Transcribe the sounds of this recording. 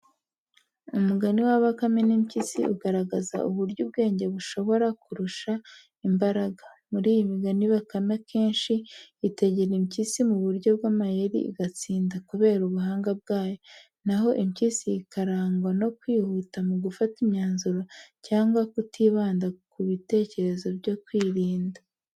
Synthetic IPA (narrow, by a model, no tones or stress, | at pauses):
umuɡaniwaβakamenimcisḭʔuɡaɾaɡaza̰ʔuβuɾɟub̚ɡe̞ːɲɟe̞βuʃo̞βo̞ɾakuɾuʃa | imbaɾaɡamuɾiːjimiɡaniβakamekʰe̞ːnʃiːte̞ɟeɾimcisimuβuɾɟo̞b̚ɡaːmajeɾḭḭɡat͡siːndakuβe̞ːɾuβuɦaːŋɡab̚ɡaːjo̞ | naɦo̞ʔimcisiːkʰaɾaːŋɡwano̞kwiːhutamuɡufatimɲaːnzuɾacaːŋɡwakutʰiːβaːndakuβite̞ːce̞ɾe̞zo̞bɟo̞kwiːɾiːnda